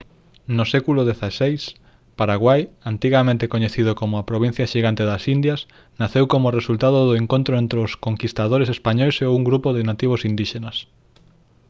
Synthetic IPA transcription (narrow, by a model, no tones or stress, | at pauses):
nʊsɛkulʊðeθasejs | paɾaɣwajant̪iɣamẽnt̪ekoɲeθið̞okomʊapɾoβ̞in̟θjɐʃiɣant̪eðasind̪jɐs | naθewkomʊresult̪aðoðʊeŋkõnt̪ɾoent̪ɾeoskoŋkist̪aðoɾesespaɲɔjseouŋɡɾupoðenat̪iβ̞osind̪iʃenɐs